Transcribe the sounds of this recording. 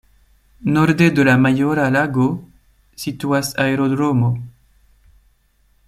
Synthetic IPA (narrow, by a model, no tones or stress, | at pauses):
nɔɾd̪ed̪əlamajoɾalaɡo | sit̪uasaeɾod̪ɾomo